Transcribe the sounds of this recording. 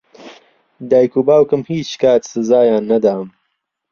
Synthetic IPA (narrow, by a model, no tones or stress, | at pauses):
d̪aːjkuːbaːwkɨmhiːt͡ʃkaːt̪sɨzaːjaːnːɐd̪aːm